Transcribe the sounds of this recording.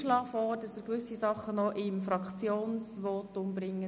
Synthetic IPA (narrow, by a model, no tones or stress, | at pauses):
ʃlɑːfɔːɾdɑsəɾkʋʏsisɑχːənɔʔɪmfɾɑkχt͡sjoːnsʋɔːtʊmbɾɪŋːə